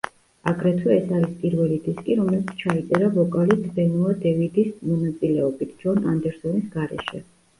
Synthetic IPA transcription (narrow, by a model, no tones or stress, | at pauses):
aɡɾɛt̪ʰuɛsaɾispʼiɾvɛlid̪iskʼiɾɔmɛlit̪sʰt͡ʃʰait̪sʼɛɾavɔkʼalid̪bɛnuad̪ɛvid̪ismɔnat̪sʼilɛɔbit̪ʰd͡ʒɔnand̪ɛɾsɔnisɡaɾɛ̰ʃɛ̰